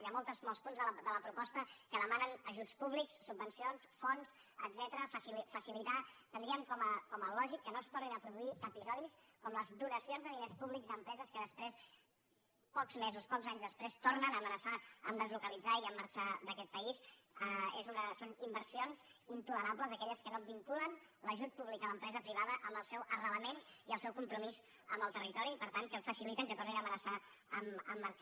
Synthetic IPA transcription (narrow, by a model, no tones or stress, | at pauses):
jamolˠt̪əsmɔlˠspunzðəd̪ələpɾupɔst̪əkəðəmanənəʒut͡spuβliksːub̚ːənsionsfons | ə̰d̪zɛt̪əɾəfəsifəsilit̪at̪ənd̪ɾiəmkɔməkɔməlɔʒikːənost̪orninəpɾuðuiəpizɔðiskɔmləzd̪unəsionzðəinespuβlikzd̪əmpɾɛzəskəðəspɾes | pɔkzmezuspɔɡzaɲzðəspɾest̪ornənəːmənəsaəmd̪əzlukəlid͡zaiəmːaɾt͡ʃad̪əkɛt̪̚pəisəezunəsonimbəɾsionzint̪uləɾapləzəkɛʎəskənobiŋkulən | ləʒut̪̚puβlikələmpɾɛzəpɾiβ̞aðəʔəmbəlˠsɛwʔərələmeniəlˠsɛwkumpɾumiz | əmbəlˠt̪ərit̪ɔɾipəɾt̪ankəlˠfəsilit̪əŋkət̪orninəmənəsa | əməmːəɾt͡ʃa